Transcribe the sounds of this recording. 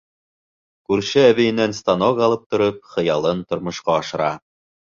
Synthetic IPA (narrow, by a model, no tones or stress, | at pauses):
kʉɾʃɘæβɘ̆jɘ̆nænst̪ɑnoɡɑlˠɤp̚t̪ŏɾɤp̚χɤ̆jɑlˠɤnt̪ŏɾmŏʃqɑːʃɤ̆ɾɑ